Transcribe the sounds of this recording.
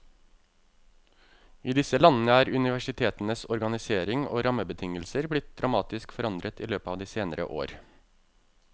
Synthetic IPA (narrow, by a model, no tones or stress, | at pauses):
iːd̪ɪsəlɑnn̩əæːɾʉnɪʋæʂɪt̪ʰeːt̪n̩əsɔɾɡɑnɪseːɾɪŋo̰ːɾɑməbət̪ʰɪŋəlsəɾblɪt̪̚d̪ɾɑmɑːt̪ɪskfɔɾɑnd̪ɾʔət̪iːløːpəɑːʋd̪iːseːnəɾə̰ʔo̰ːɾ